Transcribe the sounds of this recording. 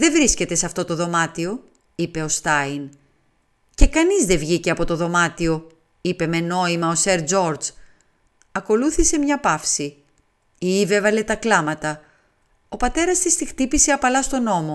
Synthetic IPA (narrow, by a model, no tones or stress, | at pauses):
ðe̞vɾisce̞t̪e̞sɐft̪o̞t̪o̞ðo̞mɐt̪io̞ | ipe̞o̞st̪ɐin | ce̞kɐnizðe̞vʝiceɐpo̞t̪o̞ðo̞mɐt̪io̞ | ipe̞me̞no̞imɐo̞se̞ɾd͡zo̞ɾd͡z | ɐko̞luθise̞mɲɐpɐfsi | iive̞vɐle̞t̪ɐklɐmɐt̪ɐ | o̞pɐt̪e̞ɾɐst̪ist̪ixt̪ipise̞ɐpɐlɐst̪o̞no̞mo̞